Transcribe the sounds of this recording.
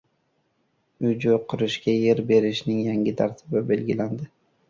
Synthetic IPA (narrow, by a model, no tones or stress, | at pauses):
ʊd͡ʒʊqʰʊɾɪʃkʲaje̞ɾbe̞ɾɪʃnɪŋjaŋʲɪt̪ʰaɾt̪ʰɪbɪbe̞lɡʲɪland̪ɪ